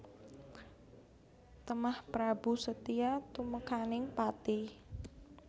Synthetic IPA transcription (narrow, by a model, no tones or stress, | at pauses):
t̪əmahpɾab̥usət̪iat̪uməkanɪŋpat̪i